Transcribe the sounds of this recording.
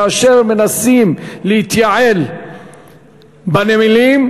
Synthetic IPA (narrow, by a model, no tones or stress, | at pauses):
ʔaʃeʁmenasimlehit̪jaʕel | banemilim